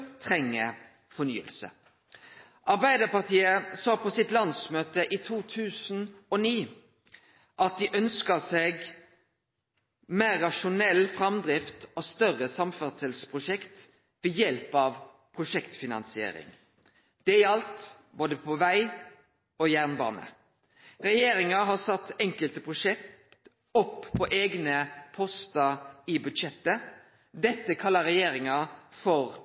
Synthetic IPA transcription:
t̪ʰʁɛŋːə | fɔny̰ːə̰lsə̰ | ʔɑʁbæɪd̪əʁpɑʁt̪ʰiːəsɑːpʰɔsɪt̪lɑnsmøːt̪əʔiːt̪ʰuːt̪ʰʉːsn̩ɔniː | ʔɑt̪̚d̪ɪʔœnskəsɛɡ | meːʁɑʃʊnɛlːfʁɑmd̪ʁɪft̪ɔst̪œʁəsɑmfæʁt̪sɛlspʰʁʊʃɛkt̪ | ʋɛjɛlpɑʋ | pʰʁʊʂɛkt̪fɪnɑ̰nsɪḛːɾɪ̰ŋ | d̪̥ɛɪɑlt̪ | boːd̪əpʰɔʋæɪ | ojæːʁnbɑ̰ːnə̰ | ʁɛjeːɾɪŋɑɦɑsɑt̪ːɛŋkəlt̪əpʰʁʊʂɛkt̪ | ɔpːpʰːɔʔeːɡnəpʰɔst̪əɪbʉd̪ʃɛt̪ːə | d̪ɛt̪ːəkʰɑlːəɾɛjeːɾɪŋɑfɔʁ

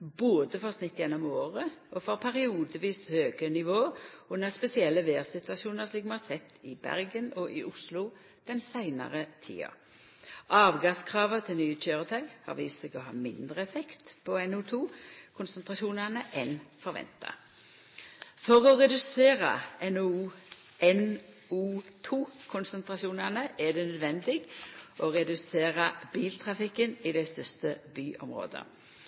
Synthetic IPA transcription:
boːd̪əfɔʁsnɪt̪ːjɛnːɔmoːʁəʔɔfɔʁpʰæɾɪuːd̪əʋiːshøːɡənɪʋoːʉnːəʁspɛsɪɛlːəʋeːʁsɪt̪ʉɑsuːnəslɪːkmɑnɑsɛt̪ʰːɪbæ̰ʁɡənɔʔɪʔʊslʊ | d̪̥ɛnsæɪnɑ̰ʁət̪ʰḭːɑ̰ | ʔɑːʋɡɑskʰʁɑːʋət̪ʰɪlnyːət͡ʃʰøːʁət̪ʰɑʏhɑ̰ʁʋiːsəɡɔɦɑ̰ːmɪnd̪ɾəɛfɛkt̪pʰɔɛnʉt̪ʰuːkʰʊnsɛnt̪ʁɑʃuːnəʁnəʔɛnfɔɾʋɛ̰nt̪ɑ̰ | fɔʁɔʁɛd̪ʉseːʁə̰ɛnː | ɛn | uːt̪ʰuːkʰʊnsɛnt̪ʁɑʃuːnɛʁnəʔɛd̪ɛːnœd̪ʋɛnd̪ɪɡʔɔʁɛd̪ʉseːʁəb̥iːlt̪ʰʁɑfɪkːənid̪æɪst̪œst̪əbyːʔɔ̰mʁo̰ːd̪ə̰

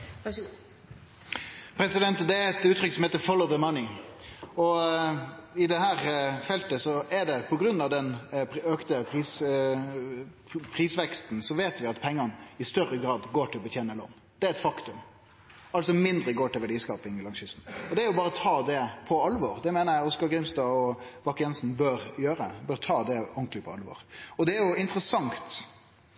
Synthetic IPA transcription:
pʰɾɛsɪd̪ɛnt̪d̪ɛæɛt̪ʉːt̪ʰːɾʏkːəsɔmheːt̪əfɔlɔʊðəmɑnɪ | ɔ | ɪd̪ɛhæːɾfɛlt̪əsɔɛɖɛpʰɔɡɾʉnːɑʋd̪ɛnøkt̪əpʰɾiːs | pʰʁiːsʋɛkst̪n̩sɔʋeːt̪ʋɪɑt̪pʰɛŋːɑnəɪst̪œɾəɡɾɑːd̪ɡoːʈʰɪlɔbət̪ʰjeːnəlo̰ːn | d̪̥ɛæɾɛt̪fɑkt̪ʉm | ɑlsɔmɪnd̪ɾəɡoːʈɪlʋæɖiːskɑːpɪŋɪlɑŋsʏsn̩ɔd̪ɛæɾjʊbɑːɾət̪ʰɑːd̪ɛpʰɔɑlʋɔːɾd̪ɛmɛːnəjæɔskɑɡɾɪmst̪ɑːɔb̥ɑkːjɛnsn̩bøɾjøːɾə̰bœɾt̪ʰɑːd̪ɛɔŋklɪpʰɔɑ̰lʋɔ̰ːɾɔd̪ɛːɾjʊɪnt̪ɾəsɑŋt̪

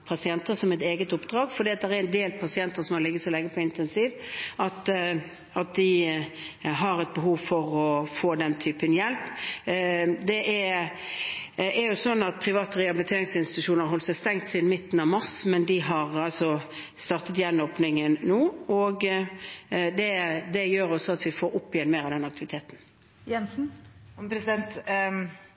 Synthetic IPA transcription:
pʰɑsɪɛnt̪əsɔmɛt̪eːɡət̪ʊpd̪ɾɑːɡfɔɾd̪iːɑt̪̚d̪ɛɾæɾɛnd̪eːlpʰɑsɪɛnt̪əʁsɔmɑlɪɡːəsɔlɛŋːəpʰɔɪnt̪ɛnsiːʋɑt̪ | ɑt̪̚d̪ɪ | ɦɑɾɛt̪̚bəɦuːʋfɔʁɔfoːd̪ɛnt̪ʰyːpənjɛlp | d̪ɛʔæ | æɾjʊsɔnːɑt̪̚pʰɾɪʋɑːt̪əʁɛɑbɪlɪt̪ʰeːɾɪŋsɪnst̪ɪt̪ʉʂuːnəɾɦɔlt̪sæɪst̪ɛŋt̪sɪnmɪt̪ːn̩ɑʋmɑʁsmɛnd̪ɪɦɑʁɑlsɔ | st̪ɑʁt̪ət̪jɛnːoːpnɪŋənːoːɔɡ | d̪ɛd̪ɛjøːɾɔsɔɑt̪ʋɪfoːɾʊpːɪɛnmeːɾɑʋd̪ɛnɑk̚t̪ɪʋɪt̪ʰeːt̪n̩ | jɛnsn̩pʰɾɛsɪd̪ɛnt̪

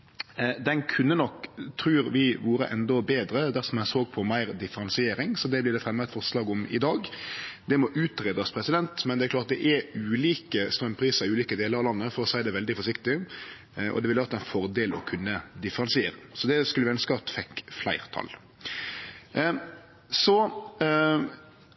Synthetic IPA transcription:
d̪ɛnkʰʉnːənɔkt̪ʰɾʉːɾʋɪʋuːɾə̰ʔɛnd̪ɔbeːd̪ɾəd̪æɾsɔmæsoːɡpʰɔmæɪɾd̪ɪfəɾɑnsɪeːɾɪŋsɔd̪ɛblɪːɾɖ̪ɛfɾɛmːəɛt̪fɔʁslɑːɡɔmɪ̰d̪ɑːɡd̪ɛmɔʔʉːt̪ɾeːd̪əspʰɾɛsɪd̪ɛnt̪mɛnd̪ɛæɾklɑːt̪d̪ɛʔɛʉʉːliːkəst̪ɾœmpʰɾiːsəɾɪʉːliːkəd̪eːləɾɑʋlɑnːəfɔɾɔsæɪd̪ɛʋɛld̪ɪfɔʂɪkt̪ɪ | ʔɔ̰d̪ɛʋɪlʋɑɾt̪ʰːæɪnfɔɾd̪eːlɔ̰kʰʉnːəd̪ɪfəɾɑnsɪeːɾəsɔd̪ɛskʉləʋɪœnːəskəɑt̪fɛkːflæ̰ɪɾt̪ʰɑ̰l | sɔ

